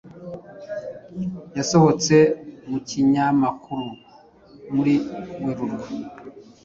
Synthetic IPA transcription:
jaso̞ho̞t͡se̞muciɲamakʰuɾu | muɾimweɾuɾɡa

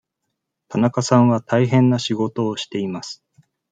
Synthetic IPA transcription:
t̪anakasãɰ̃βat̪ʰaiɦẽ̞nːaɕiɡo̞t̪o̞ːɕi̥t̪e̞imasɨ̥

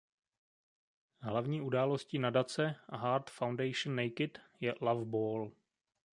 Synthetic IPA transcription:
ɦlavɲiːʔudaːlosciːnadat͡sɛʔaɦaːɾt̪fawndɛjʃnːɛjkɪt̪jɛlavboːl

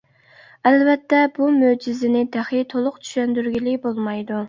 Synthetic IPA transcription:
ælvɛt̪ʰːɛbumød͡ʒizɪnɪd̪æχɪt̪ʰolˠʊqt͡ʃ̪ʰy̥ʃɛnd̪yɾɡʲilɪbolˠmɑjd̪u

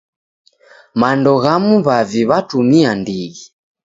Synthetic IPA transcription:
mandɔɣamuβaviβatumiandiɣi

